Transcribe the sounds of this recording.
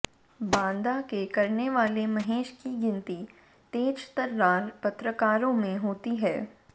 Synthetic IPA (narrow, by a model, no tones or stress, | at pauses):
bãːnd̪akekɐɾneʋaːlemɐɦeːʃkiɡɪ̃nt̪i | t̪eːd͡ʒt̪ɐɾːaːlpɐt̪ɾəkaːɾõmẽɦoːt̪iɦɛː